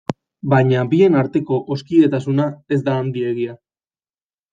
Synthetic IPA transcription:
baɲabie̞naɾt̪e̞ko̞ʔoskiðe̞t̪asunae̞zd̪aːnd̪ie̞ɣ̞ia

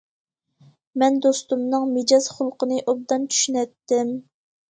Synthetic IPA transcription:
mɛnd̪ost̪umnɨŋmed͡ʒɑz̥χʊlˠqənɨʔob̚d̪ɑnt͡ʃʰy̥ʃynɛt̪ːɪm

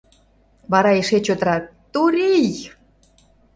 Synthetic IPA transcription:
βɑɾɑeʃet͡ɕøt̪əɾɑt̪ːuɾij

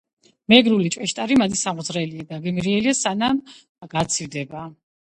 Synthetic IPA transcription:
mɛɡɾulit͡ʃʼwɛʃt̪ʼaɾimad̪isamʁzɾɛliad̪aɡɛmiɾiɛliasanam | ɡ̥at̪sʰivd̪ɛba

